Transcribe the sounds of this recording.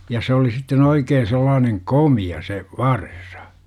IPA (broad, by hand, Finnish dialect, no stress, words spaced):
jɑ s oli sitːen oikeːn̞ selːɑːneŋ komiɑ se ʋɑrsɑ̥